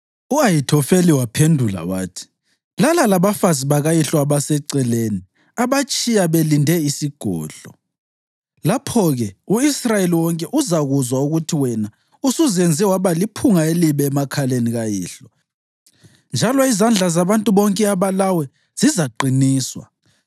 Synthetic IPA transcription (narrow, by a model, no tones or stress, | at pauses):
uajitʰɔfeliwapʰendʱula̰wa̰ːtʰi̥ | lalalaβafaziβaɣajiɬɔaβasɛǀɛleni | aβat͡ʃʼijaβelindʱɛisiɡ̥ʱɔ̰ːɮɔ | lapʰɔɣɛuisrajeliwɔŋkʼɛʔuzaɣuzwauɣutʰiwɛna | usuzend͡zʱɛwaβalipʰuŋaeliβɛːmakʰaleniɣajḭːɬɔ | nd͡ʒʱalɔizand͡ɮʱazaβantʼuβɔŋkʼɛaβalawɛ | z̥izaǃiniːswa̰